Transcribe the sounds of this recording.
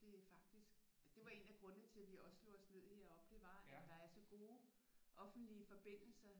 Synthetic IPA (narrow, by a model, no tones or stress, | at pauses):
d̥e̝æfɑ̈ɡ̥̚d̥isɡ̥d̥e̝ʋɑ̈e̝ːnæɡ̥ʁɔ̽nət͡sʰe̝lʋiɒ̽sslo̝ɒ̽sne̝ð̰ˠheɐ̰ɒ̽b̥d̥e̝ʋɑ̈æd̥ɑ̈æɐsɒ̽ɡ̥o̝ː | ʔɒ̽fn̩d̥liəfɒ̽b̥e̝n̰l̩sɐ